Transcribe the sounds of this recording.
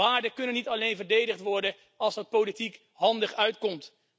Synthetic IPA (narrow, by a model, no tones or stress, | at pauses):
aːɹdəkɵnənːitɑlejnvəɹdejdəχtʋɔɹdən | ɑlˠsɑt̚powlitik | ɦɑndəχœɥtkɔmt